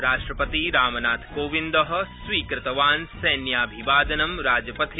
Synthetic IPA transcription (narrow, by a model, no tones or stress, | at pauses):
ɾaːʃʈɾɐpɐt̪iɾaːmɐnaːt̪ʰkoːʋind̪ɐɦɐ̆sʋiːkɾɪt̪ɐʋaːnsɐːnjaːbʱiʋaːd̪ɐnɐmɾaːd͡ʒɐpɐt̪ʰi